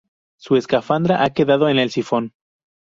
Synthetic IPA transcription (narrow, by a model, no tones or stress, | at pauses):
sue̞skafand̪ɾaʔake̞ðaðo̞ene̞lsifon